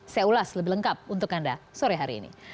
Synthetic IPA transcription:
sajaulasləbɪhləŋkap̚unt̪ʊkandasoɾɛɦaɾḭːnḭ

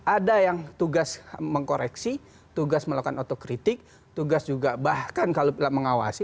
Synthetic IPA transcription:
ʔadajaŋt̪uɡasməŋkoɾɛksi | t̪uɡasməlakanot̪okɾit̪ɪk̚ | t̪uɡasd͡ʒuɡabahkankalopilaʔməŋawa̰si

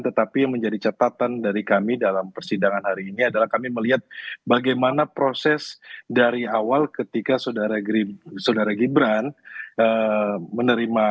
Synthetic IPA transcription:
nt̪ət̪apijaŋməɲd͡ʒadit͡ʃat̪at̪andaɾikamidalampərsidaŋanhaɾiːniadalahkamiməliɦat̪̚baɡajmanapɾosɛsdaɾiawalkət̪ikasodaɾaɡɾisodaɾaɡibɾanəmənəɾima

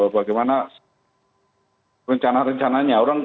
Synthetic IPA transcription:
baɡajmana | ɾəɲt͡ʃanaɾəɲt͡ʃanaɲaɔɾaŋ

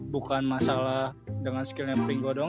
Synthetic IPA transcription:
bukanmasalahdəŋanskilɲapɾiŋɡɔdɔ

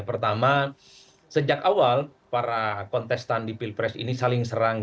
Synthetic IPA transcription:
pərt̪ama | səd͡ʒakawal | paɾakɔnt̪ɛst̪andipilpɾɛsḭnisalɪŋsəɾaŋ

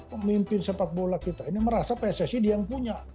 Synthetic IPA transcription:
mimpɪnsəpat̪̚bolakit̪ainiməɾasapɛsesidiaŋpuɲa

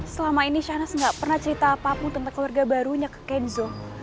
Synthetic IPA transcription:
səlamainiʃahnasŋɡaʔpərnaht͡ʃəɾit̪aːpapʊŋt̪ənt̪aŋkluwarɡabaɾuɲakə̥kɛnzɔ

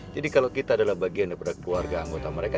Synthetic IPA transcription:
d͡ʒadikalawkit̪aːdalahbaɡiandapadakluarɡaːŋɡot̪aməɾeka

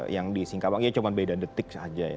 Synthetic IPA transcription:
jaŋdisiŋkapaŋiat͡ʃumanbedandət̪ɪksad͡ʒaja̰

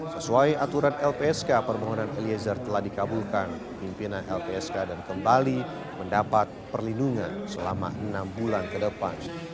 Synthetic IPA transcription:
səsuajat̪uɾanɛlpeɛskapərmaɦɔnaneliezərt̪əlahdikabulkanpəpimpinanɛlpeɛskadankəmbali | məndapat̪̚pərlinduŋansəlama̰ənambulankədəpa̰n

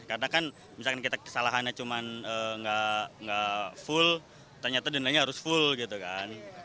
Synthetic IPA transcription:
kaɾənakan | misalkankit̪akə̥salaɦanɲat͡ʃumanəŋɡaŋɡafʊl | t̪ərɲat̪adənilaɲaɦaɾʊsfʊlɡit̪ukan

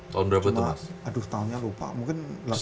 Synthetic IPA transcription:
t̪aʊndɾabəməa̰sadʊht̪aʊnɲalupa̰mũŋkɪnla

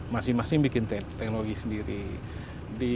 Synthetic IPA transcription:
masɪhmasɪhbikɪnt̪ɛt̪ɛknoloɡisəndiɾi | di

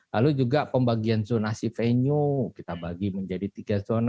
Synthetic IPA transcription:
lalud͡ʒuɡapəmbaɡianzonasifeɲukit̪abaɡiməɲd͡ʒadit̪iɡazona

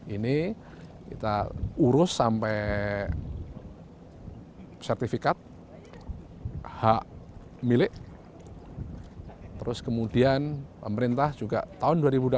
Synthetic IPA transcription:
ini | kḭt̪a̰uɾʊsːampɛj | sɛrt̪ifikat̪̚ | haʔ | milɪʔ | t̪əɾʊskəmudianpəməɾint̪ahd͡ʒuɡa̰ʔt̪aʊnduaɾibud

